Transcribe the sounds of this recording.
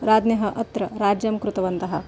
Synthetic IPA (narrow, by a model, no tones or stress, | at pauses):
ɾaːd̪njɐɦɐ̆ʔɐt̪ɾɐɾaːd͡ʒjɐmkɾut̪ɐʋɐnt̪ɐɦɐ̆